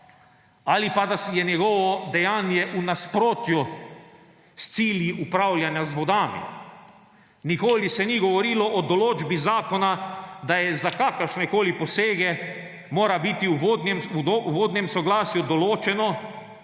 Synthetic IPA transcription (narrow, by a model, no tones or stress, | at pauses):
alipad̪asjɛnjɛɡɔʋɔd̪ɛjaːnjɛʔunaspɾoːt̪ju | st̪siːljiʔupɾawlʲjanjazʋɔd̪aːmḭ | nikoːlisɛniɡɔʋɔɾiːlɔʔɔd̪ɔloːd͡ʒbizaːkɔnad̪ajɛzakaːkəɾʃnɛkoːlipɔseːɡɛ | moːɾabit̪iuʋod̪nɛmoʋoːd̪njɛmsɔɡlaːsjud̪ɔloːt͡ʃɛnɔ